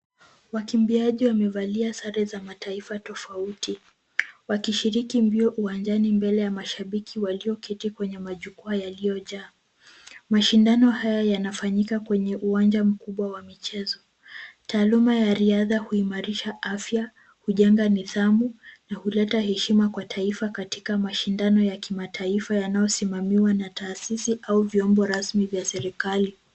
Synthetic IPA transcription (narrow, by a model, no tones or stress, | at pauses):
wakimbiaʄiwamɛvaliasaɾɛzamataifatɔfauti | wakiʃiɾikimbiɔʔuwand͡ʒanimbɛlɛjamaʃaɓikʰiwaliɔkʰitikwɛɲɛmaʄukuajalijɔʄaː | maʃindanɔhajajanafaɲikakwɛɲɛʔuwand͡ʒam̩kuɓwawamit͡ʃɛzɔ | taːlumajaɾiaðahuimaɾiʃaʔafja | huʄɛŋɡaniðamunahulɛtahɛʃimakwatʰaifakati̥kamaʃindanɔjakimatʰaifajanajɔsimamiwanataːsisiʔauvjɔmbɔɾasmivjasɛɾikali